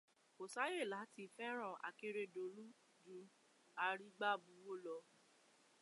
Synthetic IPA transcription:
o˨sa˨˦je˦˨la˨˦ti˧˦fɛ˦ɾ̃ɔ̃˦˨ʔa̰˨ke˧˦ɾe˧do˨lu˦ | d͡ʒu˧˦ | a˧ɾi˦ɡ͡ba˦˨bu˨˦wo˦˨lɔ˧˦

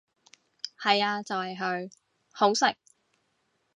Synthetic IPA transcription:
hɐ˨jaː˧t͡sɐ˨whɐ˨jɦɵ˧ɥ | ho˨˥wsɪ˨k̚

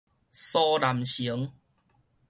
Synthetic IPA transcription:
sɔ˦la˨˩mɕi˨˦əŋ

